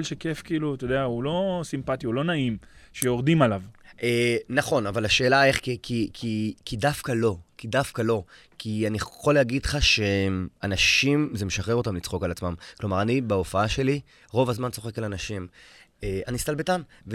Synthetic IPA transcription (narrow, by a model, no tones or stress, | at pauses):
lʃekefkiiːlut̪od̪eaulo̞simpat̪iulo̞naimʃeoʁd̪imalavenaχo̞navalaʃe̞ːlaeχkikʰikʰikidafkalo̞kidafkalo̞ | kʰianiχoleaɡidχaʃeanaʃimze̞meʃaχeʁo̞tamlit͡sχo̞kalat͡smamklo̞maʁanibaofaaʃe̞li | ʁo̞vazmant͡so̞χe̞kalanaʃim | eanist̪albetamve